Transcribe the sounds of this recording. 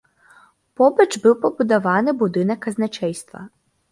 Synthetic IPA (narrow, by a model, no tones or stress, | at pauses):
pobɛt͡ʃbiwpobud̪aʋaːnɛbud̪inɛkaznɛt͡ʃɛjst̪ʋa̰